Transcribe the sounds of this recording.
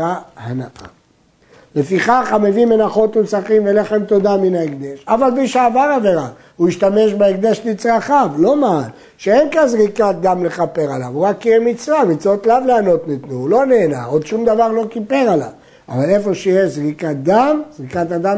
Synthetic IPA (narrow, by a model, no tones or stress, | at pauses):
ahanaʔa̰ | le̞fiχaχamevimenaχo̞t̪musaχimveleχemt̪o̞d̪aminaekd̪eʃavalmiʃeavaʁaveʁa | uiʃt̪ame̞ʃ̬beeɡ̚d̪eʃnit͡sʁaχavlo̞maːn | ʃeenkazʁikat̪̚d̪amle̞χape̞ʁalavuʁakːiemit͡svamit͡sot̪lavleano̞t̪nit̪nuulo̞neːna̰od̪ʃumd̪avaʁlo̞kipe̞ʁala̰v | a̰vale̞fo̞ʃejeʃzʁikat̪̚d̪amz̥ʁikat̪ad̪am